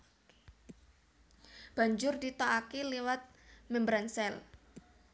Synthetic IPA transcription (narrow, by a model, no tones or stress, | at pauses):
b̥a̤ɲd͡ʒʊrdit̪oakiliwat̪̚mɛmbɾansɛl